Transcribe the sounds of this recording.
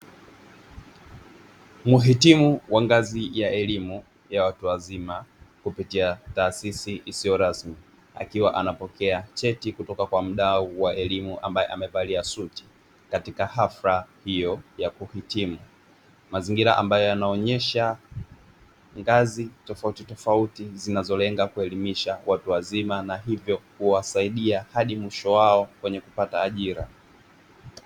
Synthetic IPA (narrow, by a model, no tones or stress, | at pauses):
muɦitimuwaŋɡazijaʔɛlimu | jawatuwazimakupitiataːsisiʔisijɔɾasmi | a̰kiwaʔanapɔkɛat͡ʃɛtikutɔkakwam̩ɗauwaɛlimuʔa̰mbajɛʔamɛvaliasuti̥ | katikahaflahijɔjakuhitimu | maziŋɡiɾaʔa̰mbajɔjanaɔɲɛʃa | ŋɡazitɔfautitɔfautizinazɔlɛŋɡakuɛlimiʃawʔatuwazimanaɦivjɔkuwasaiɗiahaɗimwiʃɔwaɔkwɛɲɛkupataːʄiɾa